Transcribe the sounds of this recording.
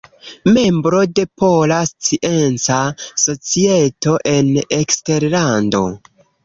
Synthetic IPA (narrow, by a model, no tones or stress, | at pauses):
me̞mbɾo̞de̞polast͡siʔent͡saso̞t͡sie̞to̞ʔe̞nekste̞ɾlando̞̰